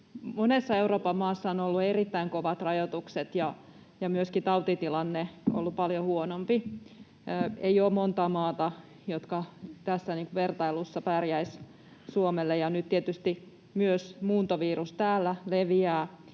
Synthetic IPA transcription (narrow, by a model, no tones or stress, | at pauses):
monesːɑeuroːpɑmmɑːsːɑonolːuerit̪ːæiŋkoʋɑt̪rɑjot̪ukset̪jɑ | jɑmyøskit̪ɑut̪it̪ilɑnːeo̰lːupɑljohuonompiː | eioːmmont̪ɑːmɑːt̪ɑ | jot̪kɑt̪æsːæniːŋkuʋert̪ɑilusːɑpærjæis | suomelːejɑnyt̪t̪iet̪yst̪i | myøsmuːnt̪oʋiːrust̪æːlːæleʋiæː